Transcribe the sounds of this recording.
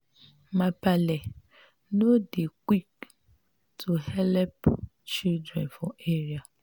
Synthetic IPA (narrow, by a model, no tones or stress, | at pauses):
mãpalɛ | nodekʷik | tʰuhɛlɛp | t͡ʃildɾɛ̰̃nfɔʔeɾia